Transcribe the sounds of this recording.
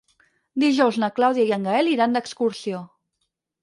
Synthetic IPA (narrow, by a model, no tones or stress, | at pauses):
d̪iʒɔwznəklawðjəiəŋɡəɛliɾand̪əkskuɾsio